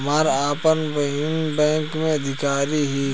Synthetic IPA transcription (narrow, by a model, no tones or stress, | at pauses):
maːɾaːpənbɐɦinbɛ̃ːŋkmẽɐd̪ʱɪkaːɾiɦi